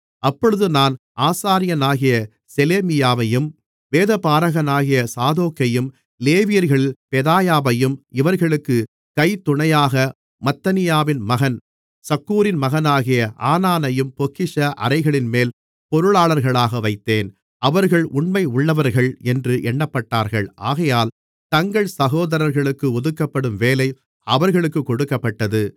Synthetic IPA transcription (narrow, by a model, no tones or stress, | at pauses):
ɐpːɔɻɯðɯnaːn | ʔaːsaːɾɪjɐnaːɣɪjɐ | sɛleːmɪjaːʋɐjɯm | ʋeːðɐpaːɾɐɣɐnaːɣɪjɐsaːðoːkːɐjɯm | leːʋɪjɐɾɣɐɭɪlpɛðaːjaːʋɐjɯmɪʋɐɾɣɐɭɯkːɯ | kɐɪt̪ʊɳɐjaːɣɐ | mɐt̪ːɐnɪjaːʋɪnmɐɣɐn | sɐkːuːɾɪnmɐɣɐnaːɣɪjɐʔaːnaːnɐjɯmpɔkːɪʂɐʔɐ̰ɾɐɪɣɐɭɪnmeːl | pɔɾɯɭaːɭɐɾɣɐɭaːɣɐʋɐɪt̪ːeːn | ɐʋɐɾɣɐɭʔʊɳmɐɪʊɭːɐʋɐɾɣɐɭɛndrɯʔɛɳːɐpːɐʈːaːɾɣɐɭʔaːɣɐjaːl | t̪ɐŋɡɐɭsɐɣoːðɐɾɐɾɣɐɭɯkːɯɔðɯkːɐpːɐɽɯmʋeːlɐɪ | ɐʋɐɾɣɐɭɯkːɯkːɔɽɯkːɐpːɐʈːɐðɯ